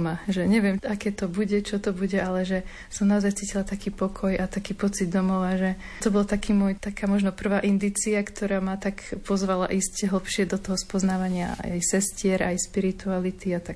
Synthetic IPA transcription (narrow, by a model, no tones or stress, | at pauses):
maʒɛɲɛʋɪɛmakɛːt̪ɔbuɟɛt͡ʃɔt̪ɔbuɟɛalɛʒɛ | sɔmnaɔzajt͡siːcilat̪akiːpɔkʰɔjat̪akiːpɔt͡sid̪d̪ɔmɔʋaʒɛ | t̪ɔbɔlt̪akʰiːmɔjt̪akʰaːmɔʒnɔpr̩ʋaːʔind̪iːt͡siakt̪ʰɔɾaːmat̪akpɔzʋala̰ʔiscɛɦl̩ˠpʃɪɛd̪ɔt̪ɔɦɔspɔznaːʋaɲɪa̰a̰jsɛscɪɛɾʔajspiɾit̪ualit̪iat̪ak